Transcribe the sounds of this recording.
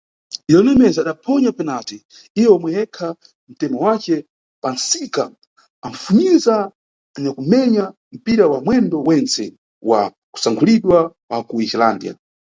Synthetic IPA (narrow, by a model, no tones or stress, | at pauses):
ijɔnɛmɛzaːɗapʰɔɲapɛnatɛ | iwɛɔmwɛjɛkʰa | m̩tɛmɔwat͡ʃɛ | pansika | aɱ̩funiza | nɛkum̩mɛɲa | m̩piɾawamwɛndɔwɛnt͡sɛ | wa̰ | ku̥saŋkʰuliɗwawakuit͡ʃilaːndia̰